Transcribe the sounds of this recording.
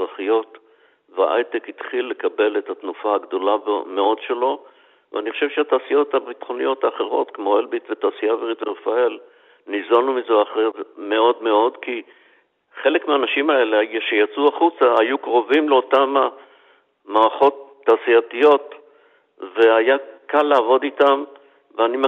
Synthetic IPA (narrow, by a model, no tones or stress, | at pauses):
ʁaχijo̞t | vea̰ʔa̰jtekit̪χilːe̞kabe̞letatnufaaɡd̪o̞labme̞o̞dʃe̞lo̞ | vḛaniχoʃe̞vʃeataːsijo̞thabit̪χo̞nijo̞taːχe̞ʁo̞̰tkemo̞elbitvetaːsijaveʁitveʁfael | nizanumizeaχevme̞o̞dme̞o̞dki | χe̞le̞kmeaːnaʃimae̞leajʃejat͡suaχut͡saajukʁo̞vimleo̞tama | maːʁaχo̞tːaːsiatijo̞t | ve̞ajakalːeavo̞ditam | veanim